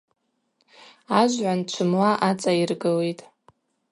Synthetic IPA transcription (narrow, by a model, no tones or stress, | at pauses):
aʒʷʕʷant͡ʃʷʰɨmlaʔat͡sʼairɡɨletʼ